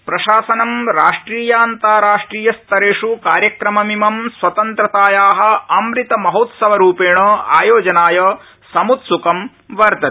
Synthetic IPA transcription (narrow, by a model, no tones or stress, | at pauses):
pɾɐʃaːsɐnɐmɾaːʂʈɾiːjɐːnt̪aːɾaːʂʈɾiːjɐst̪ɐɾeːʂukaːɾjɐkɾɐmɐmimɐmsʋɐt̪ɐnt̪ɾɐt̪aːjaːɦɐ̆ɐmɾit̪ɐmɐɦot̪sɐʋɐɾuːpeːɳɐa̰ːjoːd͡ʒɐnaːjɐ | sɐmut̪sukɐm | ʋɐɾtd̪ɐ